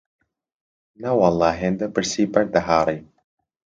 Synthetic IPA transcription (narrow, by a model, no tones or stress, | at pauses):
nɐwɑlˠːɑːɦend̪ɐbɨɾsiːbɐɾd̪ɐɦaːɾˤi